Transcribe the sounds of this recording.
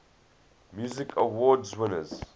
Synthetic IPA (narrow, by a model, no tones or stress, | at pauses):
mjuzɪkʰəwɔːdzwɪ̃nə̰z̥